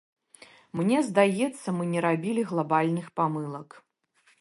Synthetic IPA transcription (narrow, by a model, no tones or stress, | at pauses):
mnʲɛzd̪ajɛt̪sːɐmɨnʲɛɾabʲilʲiɣlˠabalʲnɨxpamɨlˠɐk